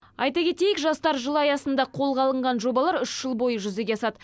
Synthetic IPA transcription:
ɑ̰jt̪ɑkʲʰe̞t̪e̞jɪkʒɑst̪ɑɾʒəlˠɑjɑsənd̪ɑqʰo̞lˠʁɑlˠəɴʁɑnʒo̞bɑlˠɑɾʏʃʒ̥əlˠbo̞jəʒʏze̞ɡʲeɑsɑd̪ə

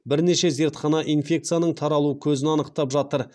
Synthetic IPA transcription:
bɪɾne̞ʃe̞ze̞ɾt̪χɑnɑʔinfʲe̞k̚t̪sɨjanəɴt̪ʰɑɾɑlˠuəkʲʰɵzɪnɑnəq̚t̪ɑpʒɑt̪əɾ

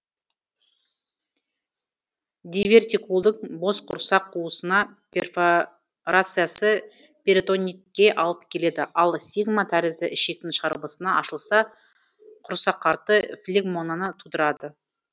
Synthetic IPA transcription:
d̪ʲivʲe̞rt̪ikulˠd̪əɴbo̞sqʰʊɾsɑqʰːuəsənɑ | perf | ɾat̪sɨjasə | pʲeɾt̪o̞nʲit̪̚kʲe̞ʔɑlˠəpkʲʰe̞le̞d̪ɪʔɑlˠsiɡmɑt̪ʰæɾɪzd̪ɪʔɪʃe̞k̚t̪ːɪnʃʁɑɾbəsənɑɑʃəlˠsɑ | qʰʊɾsɑqʰːɑɾt̪əflʲeɡmo̞nanət̪ʰud̪əɾɑd̪ə

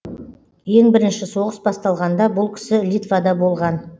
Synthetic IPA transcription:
je̞ŋbɪɾɪnʃɪso̞ʁəsbɑst̪ɑlˠʁɑnd̪ɑbʊlˠkʲʰɪ̥sɪlʲit̪vad̪ɑbo̞lˠʁɑn

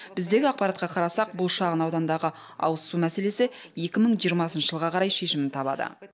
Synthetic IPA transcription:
b̥ɪzd̪e̞ɡʲɪɑq̚pɑɾɑt̪̚qɑqʰɑɾɑsɑq̚bʊlˠʃɑʁənɑwd̪ɑnd̪ɑʁə | ɑ̰wəssumæse̞le̞sɪ | je̞kʲɪməɴʒijəɾmɑsənʃəʒəlˠʁɑqʰɑɾɑjʃe̞ʃɪmɪnt̪ʰɑbɑ̰d̪ə̰

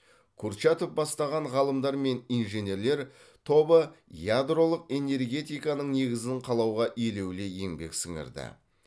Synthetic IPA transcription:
kʲʰʊɾʃɑt̪əp̚bɑst̪ɑʁɑɴʁɑlˠəmd̪ɑɾme̞nijnʒene̞ɾle̞ɾ | t̪ʰo̞bəjad̪ro̞lˠəqe̞ne̞rɡʲe̞t̪ijkɑnəɴne̞ɡʲɪzɪɴqʰɑlˠɑwʁɑʔijle̞wle̞je̞ŋbe̞̰ksɪŋɪ̰ɾd̪ɪ̰

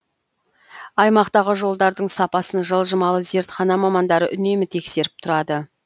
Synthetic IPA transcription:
ɑjmɑqt̪ɑʁəʒo̞lˠd̪ɑɾd̪əɴsɑpɑsənʒəlˠʒəmɑlˠəze̞ɾt̪χɑnɑmɑmɑnd̪ɑɾəʔʏne̞mɪt̪ʰe̞kse̞ɾɪp̚t̪ʰʊɾɑd̪ə

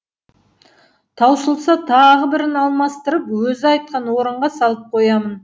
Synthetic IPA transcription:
t̪ʰɑwsəlˠsɑt̪ʰɑʁəbɪɾɪnɑlˠmɑst̪əɾəpwɵzɪɑjt̪̚qɑnwo̞ɾəɴʁɑsɑlˠəp̚qʰo̞jɑmən

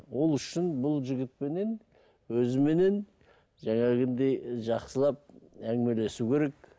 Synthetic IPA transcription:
wo̞lˠʏʃɪnbʊlˠʒɪɡʲɪt̪̚pe̞ne̞n | wɵzɪme̞ne̞n | ʒæŋɑɡʲɪnd̪ejʒɑqsəlˠɑp̚æŋɡɪme̞le̞sukʲʰe̞ɾe̞k̚

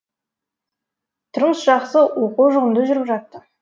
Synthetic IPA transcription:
t̪ʰʊɾməsʒɑqsəwoquwʒʊʁəmd̪əʒʏɾɪʒɑt̪ːə

